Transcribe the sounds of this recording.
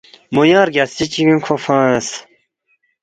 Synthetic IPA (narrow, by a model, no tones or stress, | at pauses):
mujãːɾɡʲɐsit͡ɕiwĩnkʰofãːes